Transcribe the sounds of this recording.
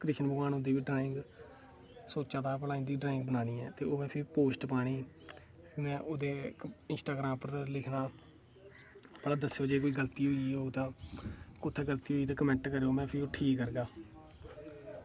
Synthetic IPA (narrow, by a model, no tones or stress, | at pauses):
kɾɪʃənbəɡaːnõːd̪iːʋiːɖɾaːɪ̃ŋɡ | soːt͡ʃaːd̪aːpəlaːĩːd̪iːɖɾaːɪ̃ŋɡ̚bənaːniːɛːt̪eːoːmɛ̃ːpʰɪpoːsʈpaːɽ̃iː | pʰmɛ̃ːʔoːd̪eːɪnsʈaːɡɾãːmpəɾlɪkʰnaː | bəlaːd̪əsːejoːd͡ʒeːkoːiːɡəlt̪iːɦoiːoːt̪ãːkʊt̪ʰːeːɡəlt̪iːɦoːiːt̪ãːkəmɛ̃ɳʈkəɾeːoːmɛ̃ːpʰɪɾoːʈʰiːkːəɾɡaː